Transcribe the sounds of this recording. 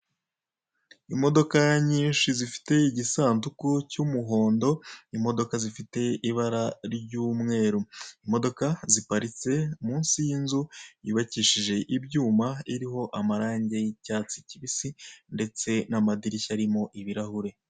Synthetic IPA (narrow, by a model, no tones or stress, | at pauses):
imo̞do̞kaɲiːnʃizifi̥te̞iɟisaːntukucumuɦo̞ːndo̞imo̞do̞kazifite̞iβaɾaɾɟuːmŋe̞ːɾuimo̞do̞kazipaɾit͡se̞muːnsinzujuːβaciʃiʒe̞ʔibɟuːmaiɾiɦo̞ʔamaɾaːɲɟejicaːt͡siciβisinde̞t͡se̞namadiɾiçaɾimo̞ʔiβiɾahuɾe̞